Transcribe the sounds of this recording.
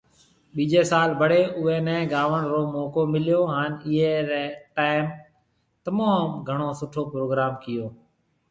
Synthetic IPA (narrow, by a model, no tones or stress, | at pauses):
ɓiːd͡ʒeːsaːlbʱəɽeːʔʊẽːnɛ̃ːɡaːʋəɳɾoːmɔːkoːmɪljoːɦaːnɪɦeːɾɛːʈaːɪm | t̪əmaːmɡʱəɳ̃oːsʊʈʰoːpɾoːɡɾaːmkɪjoː